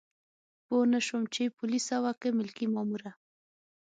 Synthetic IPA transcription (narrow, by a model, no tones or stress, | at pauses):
ponəʃomt͡ʃepʊlisawakemɪlkimamuɾa